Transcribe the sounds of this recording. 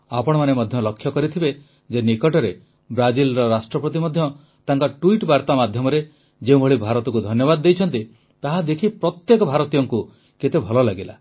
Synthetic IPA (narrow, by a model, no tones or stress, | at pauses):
apɔɽ̃ɔmanemɔd̪ʱjɔlɔkʰːjɔkɔɾit̪ʰibe | d͡ʒenikɔʈɔɾe | bɾad͡ʒilɾɔɾasʈɾɔpɔt̪̬imɔd̪ʱjɔ | t̪aŋkɔʈuiʈbaɾt̪amad̪ʱjɔmɔɾe | d͡ʒeũbʱɔɭibʱaɾɔt̪ɔkud̪ʱɔnjɔbad̪ɔːejt͡ʃʰɔnt̪i | t̪aɦad̪ekʰipɾɔt̪jekɔbʱaɾɔt̪ijɔŋku | ket̪ebʱɔlɔlaɡila̰